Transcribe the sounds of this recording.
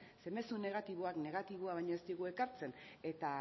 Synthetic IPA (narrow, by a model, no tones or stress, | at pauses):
se̞me̞sune̞ɣat̪iβoakne̞ɣ̞at̪iβ̞oaβ̞ajɲoest̪iɣue̞kaɾt͡se̞ne̞t̪a